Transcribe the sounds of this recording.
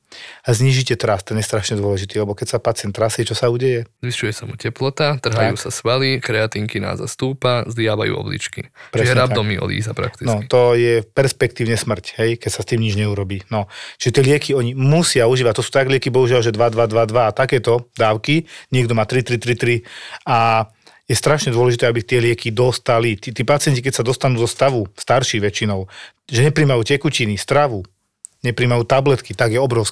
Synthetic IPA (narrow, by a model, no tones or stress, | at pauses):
azɲiːʒicɛt̪ɾast̪ɛnɪjɛst̪ɾaʃɲɛd̪ʊɔlɛʒit̪iːlɛbɔkɛcsapat͡sɪɛnt̪ːɾasɛɛt͡ʃɔsauːɟɛjɛzʋiʃujɛsamucɛplɔt̪at̪r̩ɦajuːsasʋalikɾɛat̪iːŋkina̰ːza̰st̪uːpazlɪaʋa̰jṵːɔ̰blḭt͡ʃkḭpɾɛɛɛɾaaɔmiɔ̰lḭːzapɾa̰kt̪inɔkit̪ɔjɛpɛɾspɛkt̪iːʊɲɛsmr̩cɦɛjkɛcsast̪iːmɲid͡ʒɲɛuɾɔbiːnɔʒ̥ɛt̪ɪɛlɪɛkiɔɲimusɪauʒiːʋac̚t̪ɔsuːt̪aɡlɪɛkibɔɦuʒɪalʒɛd̪ʋad̪ʋad̪ʋad̪ʋat̪akɛːt̪ɔd̪aːʊkiɲɪɛɡd̪ɔmaːt̪ɾit̪ɾit̪ɾit̪ɾia | jɛst̪ɾaʃɲɛd̪ʊɔlɛʒit̪ɛːabit̪ɪɛlɪɛkid̪ɔst̪alit̪it̪iːpat͡sɪɛɲcikɛcsad̪ɔst̪anuːzɔst̪aʋust̪aɾʃiɣʋɛt͡ʃinɔʊ | ʒɛɲɛpɾiːmajuːcɛkucinist̪ɾaʋu | ɲɛpɾiːmajuːt̪ablɛt̪kit̪aɡjɛɔbɾɔʊsk